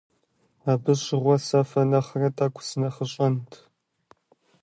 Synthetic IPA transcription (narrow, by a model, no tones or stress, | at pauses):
aːbɨɕɪʁʷɔsɐfɐnɐχrɐtʰʼaːkʷʰʊ̥sɨnɐχəɕʼɐntʰ